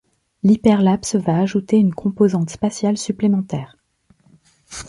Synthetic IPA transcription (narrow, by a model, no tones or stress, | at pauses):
lipɛʁlapsvaːʒut̪eynkʰɔ̃pozɑ̃t̪spasjalsyplemɑ̃t̪ɛːʁ